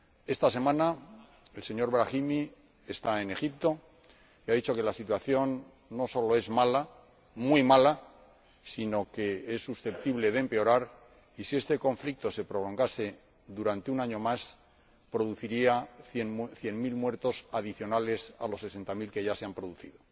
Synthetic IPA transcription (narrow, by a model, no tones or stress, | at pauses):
e̞st̪ase̞mãna | else̞ɲo̞ɾβɾaximi | e̞st̪ae̞ne̞xip̚t̪o̞ | iaðit͡ʃo̞ke̞lasit̪waθjo̞nː | o̞so̞loe̞zmala | mwimala | sino̞ke̞esːusθe̞p̚t̪iβle̞ðempe̞o̞ɾaɾ | isie̞st̪e̞ko̞ɱflik̚t̪o̞se̞pɾo̞lo̞ŋɡase̞ | ðuɾant̪eunaɲo̞mas | pɾo̞ðuθiɾiaθenθje̞nmilmwe̞ɾt̪o̞saðiθjo̞nale̞sa̰lo̞sːe̞se̞nt̪amilke̞ʝase̞ampɾo̞ðuθiðo